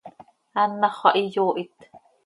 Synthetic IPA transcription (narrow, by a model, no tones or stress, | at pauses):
anːaχɑʔijoːʔit̪